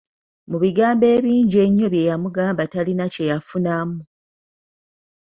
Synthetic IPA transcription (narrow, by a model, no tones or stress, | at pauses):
muβiɡaːmbe̞ːβiːɲɟie̞ɲːoβje̞jamuɡaːmbatalinace̞jafunamu